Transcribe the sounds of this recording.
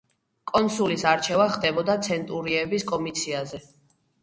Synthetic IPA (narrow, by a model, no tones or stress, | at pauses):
kʼɔnsulisaɾt͡ʃʰɛvaχd̪ɛbɔd̪at̪sʰɛnt̪ʼuɾiɛbiskʼɔmit̪sʰiazɛ